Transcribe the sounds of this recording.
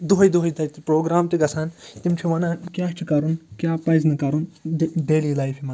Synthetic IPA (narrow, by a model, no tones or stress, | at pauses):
d̪uɦɐjd̪uɦɐjd̪ʰʱɐt̪pɾoːɡɾaːmt̪iɡɐsʰant̪imt͡ʃʰiʋɐnãkjaːt͡ʃʰikɐɾunkjaːpɐznɨkɐɾunɖeːliːlaːjfʰimɐn